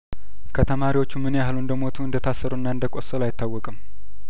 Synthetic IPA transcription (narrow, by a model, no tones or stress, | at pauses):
kʰət̪ʰəmaɾiwo̞t͡ʃːumɨnealuɨnd̪əmo̞t̪ʰuɨnd̪ət̪ʰasːəɾuɨnːaɨnd̪əkʼosəlajɪt̪ːawːɔkʼɨm